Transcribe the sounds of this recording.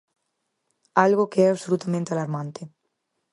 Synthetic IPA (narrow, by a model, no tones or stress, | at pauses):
alɣokeɛaβsolut̪amẽnt̪ealaɾmãnt̪e